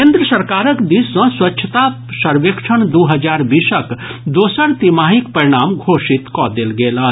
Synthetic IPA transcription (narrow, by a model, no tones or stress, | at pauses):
kẽːnd̪ɾəsəɾkaːɾəkd̪iːsːɔ̃swɐtːʃʰət̪a | sɐɾʋekʃʰəɳd̪oɦəd͡ʒaːɾbiːsəkd̪oːsəɾt̪imaːɦikpɐɾiɽ̃aːmɡʱoːʃit̪kɔd̪elɡeːla